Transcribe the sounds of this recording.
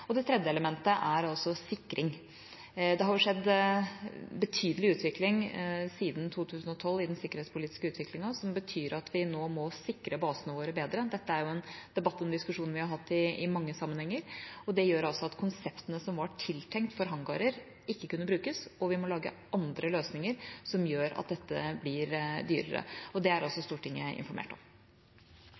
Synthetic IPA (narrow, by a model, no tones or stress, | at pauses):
ɔd̪ɛt̪ʰɾɛd̪jəɛləmɛnt̪əʔæɾɑlsɔsɪkːɾʔɪŋ | d̪ɛhɑɾjʊʂɛd̪ː | bət̪ʰyːd̪əlɪʉːt̪ʋɪklɪŋsiːd̪n̩t̪ʰuːt̪ʰʉːsn̩ɔt̪ʰɔlːɪd̪ɛnsɪkːəɾheːt̪spʰʊliːt̪ɪskəʉːt̪ʰʋɪklɪŋɑsɔmbət̪ʰyːɾɑt̪ʋɪnoːmɔsɪkːɾəbɑːsənəʋoːɾəbeːd̪ɾəd̪ɛt̪ːəæɾjʊɛnd̪ɛbɑt̪ːɔmd̪ɪskʉʂuːnʋɪhɑɾɦɑt̪ːɪɪmɑŋːəsɑmːənhɛŋːəɾɔd̪ɛjøːɾɑlsɔɑt̪kʰʊnsɛpt̪ənəsɔmʋɑʈʰɪlt̪ʰɛŋkt̪fɔɾɦɑŋɡɑ̰ːɾəɾ | ɪkːəkʉnːəbɾʉːkəsɔʋɪmɔlɑːɡə̰ | ɑnd̪ɾəløːsnɪŋəɾsɔmjøːɾɑ̰t̪̚d̪ɛt̪ːəblɪɾd̪yːɾə̰ɾə̰ɔd̪ɛæɾɔsːɔst̪uːʈʰɪŋːə̰ɪ̰nfɔɾmḛːʈɔ̰m